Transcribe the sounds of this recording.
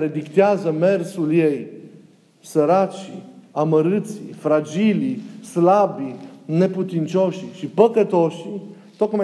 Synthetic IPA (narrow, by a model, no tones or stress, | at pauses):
ɾed̪ikt̪eazəme̞rsulje̞j | səɾat͡ʃiaməɾɨt̪sifɾad͡ʒilislabine̞put̪int͡ʃo̞ʃʃipəkət̪o̞ʃ | t̪ot̪kma